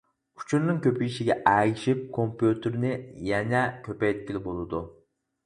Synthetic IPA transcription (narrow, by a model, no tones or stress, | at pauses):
u̥t͡ʃʰuɾnɨŋkʲøpijiʃiɡʲɛʔɛɡʲiʃip̚kʰompjut̪ʰɨɾnɪjɛnɛkʲʰøpɛjt̪̚kʲilɪbolˠɨd̪u